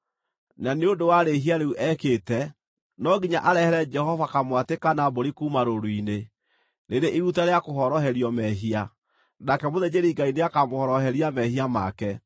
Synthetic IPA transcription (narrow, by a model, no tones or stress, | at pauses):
naneondowaɾeɦiaɾeuʔɛkeːtɛ | nɔɡiɲaʔaɾɛhɛɾɛd͡ʒɛhɔvakamwatekanaboɾikuːmaɾoɾuine | neɾeʔiɾutaɾeakoɦɔɾɔɦɛɾiɔmɛɦia | nakɛmoðed͡ʑeɾiɡaineakamohɔɾɔɦɛɾiamɛɦiama̰kɛ